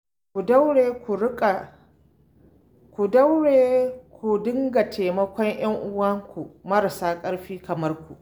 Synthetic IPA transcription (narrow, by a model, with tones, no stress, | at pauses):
kʷu˨da˦wɽeː˨kʷu˨ɽʊ˦kʼa˨ | kʷu˨dɐ˦wɽeː˨kʷu˨dɪ˦ŋɡa˨tʰeː˨mɐ˦kʷɔ˦ɲj̰ɐ˦ŋʔʊ˦wɐ˦ŋkʷu˨mɐ˦ɾa˨saː˦kʼɐ˦ɽɸiː˦kɐ˨mɐ˦rkʷu˨ʔ